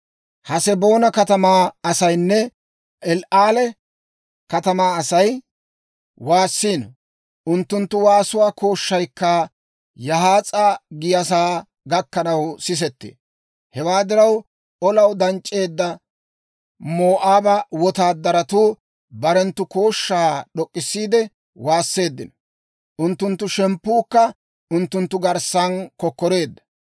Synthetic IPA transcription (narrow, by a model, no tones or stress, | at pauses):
hɐsɛbo̞ːnɐkɐt̪ɐmaːɐsɐjnːɛ | ʔɛlʔaːlɛ | kɐt̪ɐmaːɐsɐj | waːsːiːn | ʔʊnt̪ːʊnt̪ːʊwaːsʊwaːko̞ːʃːɐjkːɐ | jɐɦaːt͡sʼaːɡɪjɐs̬aː | ɡɐkːɐnɐwsɪs̬ɛt̪ːɪ̰ | hɛwaːd̪ɪɾɐw | ʔɔlɐwd̪ɐnt͡ʃʼːe̞ːd̪ːɐ | moːʔaːbɐwɔt̪aːd̪ːɐɾɐt̪uː | bɐɾɛnt̪ːʊkoːʃːaːɗɔkʼːɪsːiːd̪ɛ | waːsːe̞ːd̪ːɪnɔ | ʔʊnt̪ːʊnt̪ːʊʃɛmpːuːkːɐ | ʔʊnt̪ːʊnt̪ːʊɡɐɾsːɐnkɔkːɔɾe̞ːd̪ːɐ̥